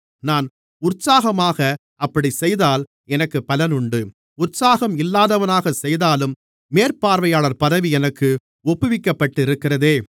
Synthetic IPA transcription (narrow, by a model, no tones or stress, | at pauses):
naːn | ʊrsaːɣɐmaːɣɐ | ɐpːɐɽisɛjðaːl | ɛnɐkːɯpːɐlɐnʊɳɖɯ | ʊrsaːɣɐmɪlːaːðɐʋɐnaːɣɐsɛjðaːlɯmː | eːrpaːɾʋɐjaːɭɐɾpɐðɐʋiɛnɐkːɯ | ɔpːɯʋɪkːɐpːɐʈːɯɪɾɯkːɪrɐðeː